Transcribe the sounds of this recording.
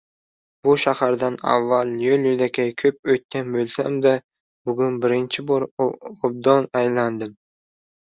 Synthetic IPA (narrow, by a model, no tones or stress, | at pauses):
bʊʃahaɾd̪ana̰vːalˠjoljʊd̪akʲʰajkʲʰɵp̚ɵjt̪̚kʲːanbølʲsa̰md̪a | bʊɡʲʊnbɪɾɪnt͡ʃʰɪboɾob̚d̪onajland̪ɪm